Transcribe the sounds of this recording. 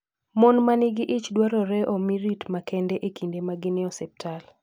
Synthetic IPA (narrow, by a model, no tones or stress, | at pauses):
mɔnmanɪɡɪʔit͡ʃdwaɾɔɾɛʔɔmiɾitmakɛndɛʔekindemaɡɪnɪɔsɛp̚tʰal